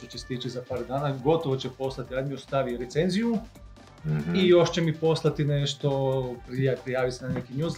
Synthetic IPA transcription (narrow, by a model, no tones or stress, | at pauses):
t̪ot͡ɕese̥t̪it͡ʃizapaːɾd̪aːnaɡo̞t̪oʋot͡ɕepo̞slˠat̪iad̪miost̪aʋiɾet̪senziju | ijo̞ʃt͡ɕemipo̞slˠat̪ineʃt̪o̞pɾpɾijaːʋisenanekinjuz